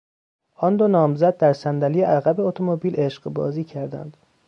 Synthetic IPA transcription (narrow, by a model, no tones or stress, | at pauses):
ʔɒnd̪onɒːmzæd̪̚ːæɾsænd̪ælijeʔæɣæbeot̪ʰomobiːlʔeʃɢbɒ̰ːziːcʰæɾd̪æ̰nd̪̥